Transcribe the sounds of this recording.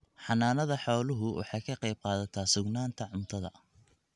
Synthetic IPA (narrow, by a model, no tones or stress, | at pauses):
ħɑnaːnɐðɐħɔːlʊɦʊwʔɑ̰ħɑjkʰɐqɑjb̚qɑːðɐt̪ʰaːsʊɡnaːnt̪ʰɐʕʊmt̪ʰɐðɐ̰